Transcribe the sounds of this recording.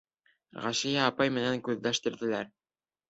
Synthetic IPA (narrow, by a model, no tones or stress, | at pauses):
ʁæʃɘjæɑpɑjmɘ̆næŋkʉðlæʃt̪ɘ̆ɾðɘ̆læɾ